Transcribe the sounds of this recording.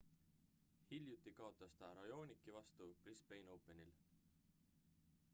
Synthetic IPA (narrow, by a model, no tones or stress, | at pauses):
hilʲjut̪ːˑikɑot̪ˑːɑst̪ɑɾɑjo̞ːnikːivɑst̪uprispejno̞wpe̞nil